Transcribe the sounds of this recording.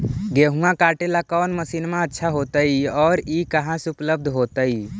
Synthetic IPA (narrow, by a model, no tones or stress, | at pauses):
ɡeɦũãkaːʈelakɔːnməsinmẽətːʃʰaɦot̪əiɔːɾikəɦãsupləb̚d̪ʱɦot̪əi